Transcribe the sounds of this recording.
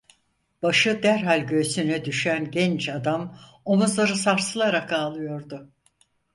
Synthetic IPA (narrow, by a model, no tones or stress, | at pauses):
b̥aʃɯd̪æɾɦalʲɟø̞synɛd̪yʃænɟɛnt͡ʃad̪am | o̞muzlˠaɾɯsaɾsɯlˠaɾakaːlˠɯjo̞ɾd̪ʊ